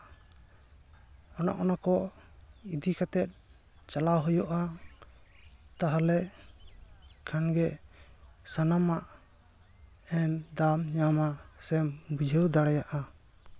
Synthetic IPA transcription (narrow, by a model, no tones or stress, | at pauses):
ɔna̰ʔɔnakɔ | id̪ikat̪ɛt̪̚ | t͡ʃalawɦɔjɔʔa | t̪aɦalɛʔ | kʰanɡɛ | sanamaʔ | ɛnd̪amɲamasɛmbud͡ʒʱəwd̪aɽajaʔa